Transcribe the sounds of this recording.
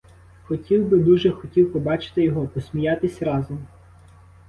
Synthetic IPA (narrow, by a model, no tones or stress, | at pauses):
xɔtʲiwbɪd̪uʒɛxɔtʲiwpɔbɑt͡ʃɪ̥t̪ɪjɔɦɔpɔsʲmʲijɑt̪ɪsʲɾɑzɔm